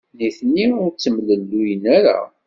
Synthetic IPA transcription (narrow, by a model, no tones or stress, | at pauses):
niθniʊɾt͡sːəmləlːujənæɾa̰